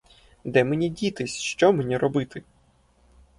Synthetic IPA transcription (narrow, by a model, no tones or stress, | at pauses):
d̪ɛmenʲidʲit̪ɪsʲʃt͡ʃɔmenʲiɾɔbɪt̪ɪ